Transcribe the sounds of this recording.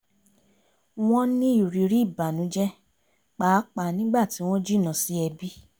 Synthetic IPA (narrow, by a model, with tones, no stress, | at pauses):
w̃ɔ̃˦nĩ˦i˦˨ɾi˨ɾi˦˨ba˨nũ˨˦d͡ʒɛ˦ | k͡paː˨˦k͡pa˨nĩ˦ɡ͡ba˦˨ti˨˦w̃ɔ̃˦d͡ʒi˦˨nã˨si˦ɛ˧bi˦